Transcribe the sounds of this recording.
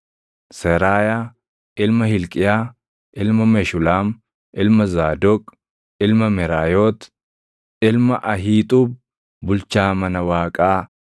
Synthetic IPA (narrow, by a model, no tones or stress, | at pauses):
sɛɾaːjaː | ɪlmɐhɪlkʼɪjaː | ʔɪlmɐmɛʃʊlaːm | ʔɪlmɐzaːd̪ɔkʼ | ɪlmɐmɛɾaːjoːt̪ | ɪlmɐʔɐɦiːt̪ʼuːb̚ | bʊlt͡ʃaːmɐnɐwaːkʼaː